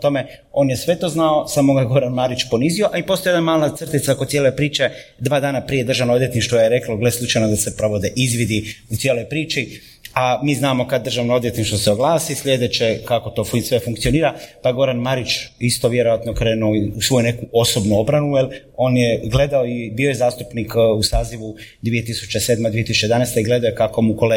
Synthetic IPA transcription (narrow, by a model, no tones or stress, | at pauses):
t̪o̞me̞o̞ːnjesʋe̞t̪o̞ːznaosaːmoɡajeɡo̞ɾanmaɾit͡ʃpo̞nizio̞ʔaipo̞sojed̪namaːlat̪sr̩t̪it̪sakod̪sjele̞pɾiːt͡ʃe̞ | d̪ʋaːd̪aːnapɾije̞d̪ɾr̩ʒaʋnoo̞d̪je̞t̪niʃt̪ʋojeɾe̞kloɡleslˠut͡ʃajnod̪ase̞pɾo̞ʋod̪eʔizʋid̪iut̪jelo̞jpɾiːt͡ʃi | amiːznaːmo̞kad̪dːɾrʒaʋnoo̞d̪je̞t̪niʃt̪ʋo̞seo̞ɡlˠaːsislʎʲje̞d̪et͡ʃe̞kako̞t̪o̞ːfsʋe̞fuŋk̚t̪sio̞niːɾapaɡo̞ɾanmaɾit͡ʃist̪o̞ʋje̞ɾo̞ʋat̪nokɾe̞ːnuusʋo̞june̞kuo̞so̞bnuo̞bɾanujelo̞ːnjeɡle̞d̪aoibio̞jezaːst̪upnikusaːziʋud̪ʋije̞t̪isu̥t͡ʃeseːd̪mad̪ʋiet̪isu̥t͡ʃej̪anɛjst̪eiɡle̞d̪aojkakomukole